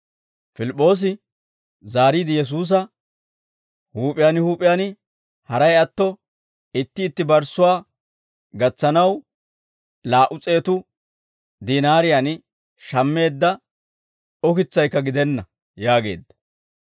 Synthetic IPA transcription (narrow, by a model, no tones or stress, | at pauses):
fɪlɪpʼːo̞ːs̬ɪ | zaːɾiːd̪ɪjɛs̬uːs̬ɐ | huːpʼɪjanɪhuːpʼɪjanɪ | hɐɾɐjɐt̪ːɔ | ɪt̪ːɪːt̪ːɪbɐɾsʊwaː | ɡɐt͡sːɐnɐw | laːʔʊt͡sʼe̞ːt̪ʊ | d̪iːnaːɾɪjan | ʃɐmːe̞ːd̪ːɐ | ɔkɪt͡sːɐjkːɐɡɪd̪ɛnːɐ | jaːɡe̞̰ːd̪ːɐ̥